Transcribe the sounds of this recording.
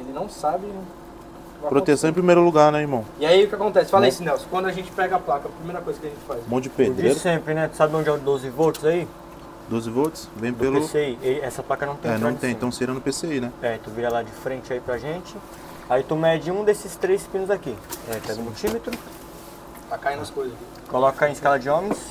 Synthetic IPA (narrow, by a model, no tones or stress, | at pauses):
elɪnɐ̃w̃sabɪ | pɾot̪esɐ̃w̃ẽpɾimejɾʊluɡaɾnɛiɾmɐ̃w̃ɪaiʊkɪakõnt̪ɛsɪ̥falɐisʊnɛwskwɐ̃nd̪ʊaʒẽnt͡ʃɪ̥pɛɡɐaplakɐpɾimejɾɐkojzɐkɪaɐʒẽt͡ʃɪfajsmõd͡ʒɪped̪ɾieɾsẽpɾɪnɛt̪u̥sabɪõd͡ʒɪad̪ozɪvot͡ʃɪzai | d̪ozɪvot͡ʃɪ̥svẽd̪elpeʊseieɛsɐplakɐnɐ̃w̃t̪ẽnɐãtt̪ẽj̪̃ɐ̃w̃seiɾɐ̃nʊpeseinɛɛt̪uviɾalad͡ʒɪfɾẽnt͡ʃɪaipɾɐʒẽt͡ʃɪ | ait̪umɛd͡ʒɪũd̪esɪst̪ɾejspĩnʊzakiɛpɛɡɐ̃ũmult͡ʃimet̪ɾʊ | pakaĩnd̪ɐskojzɐzki | kolɔkɐẽɪskalɐd͡ʒɪõmẽs